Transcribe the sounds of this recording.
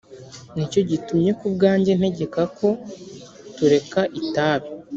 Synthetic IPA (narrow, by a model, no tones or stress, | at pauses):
nico̞ɟitumɲe̞kub̚ɡaːɲɟe̞n̥he̞ɟe̞kakʰo̞ | tuɾe̞kaʔitaːβi